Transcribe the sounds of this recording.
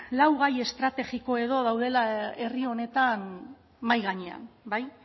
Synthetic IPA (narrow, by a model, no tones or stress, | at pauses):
lawɣ̞aje̞st̪ɾat̪e̞ɣiko̞e̞ðo̞ðawðe̞lae̞rio̞ne̞t̪an | majɣaɲea̰nbaj